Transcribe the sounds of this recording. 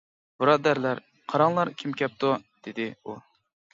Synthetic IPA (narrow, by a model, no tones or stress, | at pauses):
b̥uɾɑd̪æɾlæɾ | qʰɑɾɑŋlˠɑɾkʲʰimkʲɛp̚t̪ʰud̪̥ɪd̪ɪu